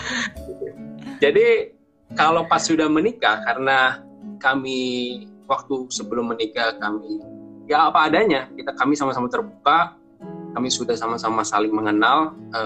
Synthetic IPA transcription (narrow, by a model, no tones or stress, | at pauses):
d͡ʒadi | kalopasːudahmənikakaɾəna | kami | wak̚t̪usəbəlʊmːənikakamijaːpaːdaɲakit̪akamisamasamat̪ərbuka | kamisudahsamasamasalɪŋməŋənalə